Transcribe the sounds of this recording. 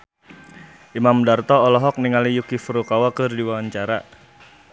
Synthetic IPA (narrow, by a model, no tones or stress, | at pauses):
ʔimamdart̪ɔɔlɔɦɔk̚niŋalijukifuɾukawakɨrdiwawaɲt͡ʃaɾa